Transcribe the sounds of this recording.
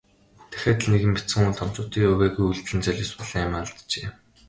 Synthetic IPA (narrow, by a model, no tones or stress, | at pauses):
t̪ʰæ̥xʲæːt̪̆ɮneɣɘ̆mpit͡sɘ̆ŋunt̪ʰɔm̥t͡ɕʊːt̪iːɵɣeːɣujuɮt͡s̪ɘ̆nt͡sœɮʲɪ̆ːspɔɮ̥ĭŋamaːɮt̪t͡ɕeː